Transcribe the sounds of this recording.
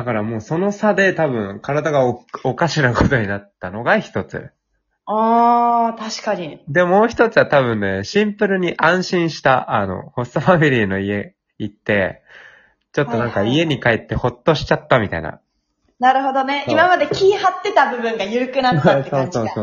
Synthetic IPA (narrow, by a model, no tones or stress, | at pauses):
d̪̥akaɾamo̞ːso̞no̞sad̪e̞t̪abɯ̟̃ŋkaɾad̪aɡaookaɕinako̞t̪o̞ɲ̟inat̪ːano̞ɡaçi̥t̪o̞t͡sɨ̰ | aːt̪aɕi̥kaɲ̟id̪e̞mo̞ːçi̥t̪o̞t͡sɨβat̪aβɯ̟̃nːe̞ɕĩmpɯ̟ɾɯ̟ɲ̟iʔãɰ̃ɕĩɰ̃ɕi̥t̪aʔano̞̰ho̞sofamʲiɾʲiːno̞ie̞ | it̪ːe̞̰ | t͡ɕo̞t̪ːo̞nãŋkaie̞ɲ̟ikaet̪ːe̞ho̞t̪ːo̞ɕi̥t͡ɕat̪ːamʲit̪a̰ḭna̰ | naɾɯ̟ɦo̞d̪o̞ne̞ʔimamad̪e̞kʲiːhat̪ːe̞t̪abɯ̟bɯ̟̃ŋɡajɯ̟ɾɯ̟kɯ̟nat̪ːesoːsoːsoː